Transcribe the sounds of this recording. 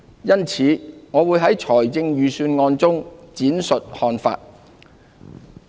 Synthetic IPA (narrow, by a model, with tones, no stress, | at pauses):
jɐ˥nt͡sʰiː˨˧ŋɔː˨˧wuː˨˧jɦɐ˨˥jt͡ʃʰɔː˨˩jt͡sɪ˧ŋjyː˨˩syː˧nŋɔː˧nt͡sʊ˥ŋt͡siː˨˥nsɵ˨t̚hɔː˧nfa̰ː˧t̚